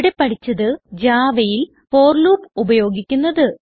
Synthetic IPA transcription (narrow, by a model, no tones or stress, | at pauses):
ɽepːɐʈʰit͡ɕːɐðɨd͡ʑaːʋɐjil | po̞ːrluːpubɐjo̞ːɡikʲːunːɐðɨ